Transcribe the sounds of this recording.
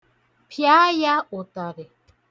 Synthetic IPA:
pʰja˦ja˦o˨t̪a˨ɾe˨

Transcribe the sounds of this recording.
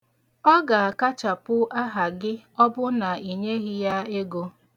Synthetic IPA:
ɔ˦ɡa˨a˨ka˦t͡ʃa˨pʊ˦a˦ɦa˨ɡɪ˦ɔ˦bʊ˦na˨i˨ɲe˦ɣɪ˦ja˦e˦ɡo˦

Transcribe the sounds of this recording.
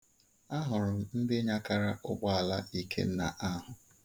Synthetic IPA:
a˦ɦʊ˨ɾʊ˨m̩˦m̩˦dɪ˦ɲa˦ka˨ɾa˦ʔʊ˦ɡ͡ba˦a˨la˦i˦kʰḛ˦n̩˦na̰˨ʔa˦ɦʊ˨

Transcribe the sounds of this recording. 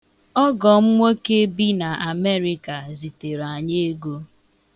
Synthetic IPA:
ɔ˦ɡɔ˨m̩˦ŋʷo˦ke˦bi˦na˨ʔa˨me˦ɾi˦ka˨zi˨te˨ɾa˨ɲe˦ɡo˦

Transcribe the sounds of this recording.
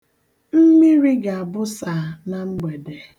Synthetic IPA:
m̩˦mi˦ɾi˦ɡa˨a˨bʊ˦sa˨na˨ŋ͡m̩˦ɡ͡be˨de˨

